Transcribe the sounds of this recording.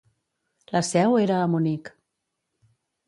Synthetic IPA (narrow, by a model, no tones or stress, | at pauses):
ləsɛweɾəːmunik